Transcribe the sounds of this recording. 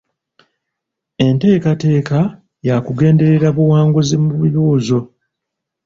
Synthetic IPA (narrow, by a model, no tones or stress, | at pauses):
e̞nte̞ːkate̞ːka | jakuɡe̞ːnde̞ɾe̞ɾaβuwaːŋɡuzimuβiɾuːzo̞